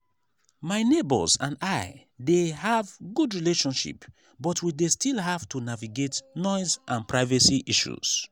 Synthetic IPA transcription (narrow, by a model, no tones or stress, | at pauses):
maɪnebə̰zã̰ndaɪ | deɦavɡudɹileʃɔ̃nʃḭp | bɔtʰwidestilˠɦav̥tunaviɡetnɔɪzʔãnpɹaɪvəsiʔiʃṵz̥